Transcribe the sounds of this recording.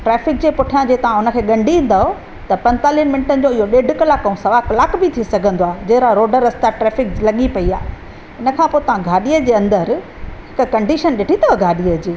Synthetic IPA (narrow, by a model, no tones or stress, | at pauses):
ʈɾɛːfɪk̚d͡ʑeːpʊʈʰijãd͡ʑeːt̪ɐʋ̤ãʊnə̆kʰeːɠɐ̃ɳɖʱiʋĩn̆d̪aːɦo | t̪ɐpɐ̃nt̪aːliɦənmɪ̃nɪʈənɪ̆d͡ʑoɪɦoɗeːɖʱkɐlaːkɐũsɐʋaːkɐlaːkbɪt̪ʰisɐɡʱə̃nd̪oaːɦd͡ʑɐ̃ɦɾaɾoːɖəɾɐst̪aʈɾɛːfɪklɐɠipɐia̰ːɦ | ɪnə̆kʰãːpoːɪt̪ɐʋ̤ãɡʱaːɗiəd͡ʑeːɐ̃nd̪əɾ | ɦɪkkɐ̃ɳɖiʃənɗɪʈʰit̪ɐɡʱaːɗiəd͡ʑeː